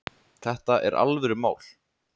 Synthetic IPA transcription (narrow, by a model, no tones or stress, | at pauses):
θɛht̪aʔɛɾʔa̰lvɛɾʏmaːwl̥